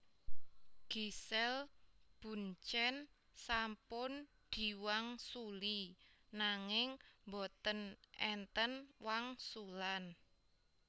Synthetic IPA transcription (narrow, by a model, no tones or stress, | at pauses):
ɡ̥i̤sɛlb̥ṳnt͡ʃɛn | sampʊn | d̪̥i̤waŋsulinaŋɪŋmbɔt̪ənʔɛnt̪ənwaŋsulan